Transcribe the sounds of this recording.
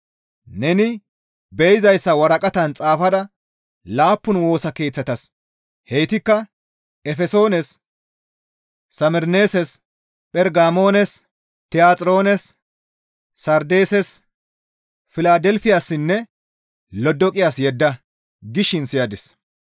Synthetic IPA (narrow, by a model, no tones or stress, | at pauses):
nɛnɪ | bɛjɪzɐjsːɐwɐɾɐkʼɐt̪ɐnt͡sʼaːfɐd̪ɐ | laːpːʊnwo̞ːsɐke̞ːt͡sːɐt̪ɐs | hɛjɪt̪ɪkːɐ | ɛfɛso̞ːnɛs | ɐmɛɾneːsɛs | pʼɛɾɡaːmo̞ːnɛs | t̪ɪjaːt͡sʼɾo̞ːnɛs | ɐɾd̪eːsɛs | fɪlaːd̪ɛlfɪjaːsːɪnːɛ | lɔd̪ɔkʼɪjaːsjɛd̪ːɐ | ɡɪʃɪnsɪjad̪ɪs